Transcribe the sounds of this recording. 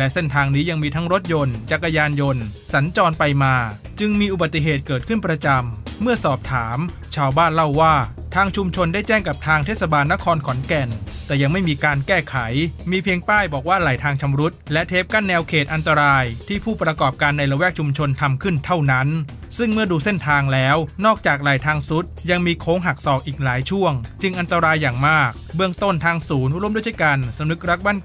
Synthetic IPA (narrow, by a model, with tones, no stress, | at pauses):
lɛ˦˥se˥˩nt̪ʰaː˧ŋniː˦˥ja˧ŋmiː˧t̪ʰa˦˥ŋɾo˦˥t̪̚jo˧nt͡ɕa˨˩k̚ːa˧jaː˧njo˧nsa˩˦nt͡ɕɔː˧npa˧jmaː˧ | t͡ɕɯ˧ŋmiː˧ʔu˨ba˨˩t̪ːi˨˩ɦeː˨˩t̪̚kɤː˨˩t̪̚kʰɯ˥˩npɾa˧t͡ɕa˧mːɯ˥˩ɐsɔː˨˩p̚t̪ʰaː˩˦m | t͡ɕʰaː˧wbaː˥˩nla˥˩wːaː˥˩ | t̪ʰaː˧ŋt͡ɕʰu˧mt͡ɕʰo˧ndaː˥˩jt͡ɕɛː˥˩ŋka˨˩p̚t̪ʰaː˧ŋt̪ʰeː˥˩t̪̚sa˧baː˧nːa˦˥kʰɔː˧nkʰɔ˩˦ŋnkɛ˧˩nt̪ɛː˨˩ja˧ŋma˥˩jmiː˧kaː˧nkɛː˥˩kʰa˩˦jmiː˧pʰi˧əŋt̪aː˥˩jbɔː˨˩k̚waː˥˩ɾa˨˩jt̪ʰaː˧ŋt͡ɕʰa˧mɾu˦˥t̪̚lɛ˦˥ʔt̪ʰeː˦˥p̚ka˥˩nːɛː˧wkʰeː˨˩t̪̚ʔa˧nt̪a˧ɾaː˧jt̪ʰiː˥˩pʰuː˥˩pɾa˧kɔː˨˩p̚kaː˧nːa˧jɾa˧wɛː˥˩k̚t͡ɕʰu˧mt͡ɕʰo˧nt̪ʰa˧mkʰɯ˥˩nt̪ʰa˥˩wna˦˥n | sɯ˥˩ŋmɯ˥˩ɐduː˧se˥˩nt̪ʰaː˧ŋlɛː˦˥wnɔː˥˩k̚t͡ɕaː˨˩k̚ɾaː˨˩jt̪ʰaː˧ŋsu˦˥t̪̚ja˧ŋmiː˧kʰoː˦˥ŋɦa˨˩k̚sɔː˨˩k̚ʔiː˨˩k̚laː˩˦jt͡ɕʰu˥˩əŋt͡ɕɯ˧ŋʔa˧nt̪a˧ɾaː˧jːaː˨˩ŋmaː˥˩k̚bɯ˥˩əŋt̪o˥˩nt̪ʰaː˧ŋsuː˩˦nʔu˧˥ɾo˧˥mdjdɯː˥˩ka˧nsa˨˧˦mnɯ˦˥k̚ɾa˦˥k̚ba˥˩n